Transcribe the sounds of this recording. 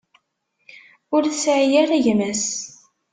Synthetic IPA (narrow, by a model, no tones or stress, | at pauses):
ʊɾθsʕjæɾæʝmæs